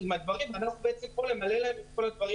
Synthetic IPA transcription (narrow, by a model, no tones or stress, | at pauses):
imad̪vaʁimanaχubeet͡sempolemalelaemimko̞lad̪vaʁi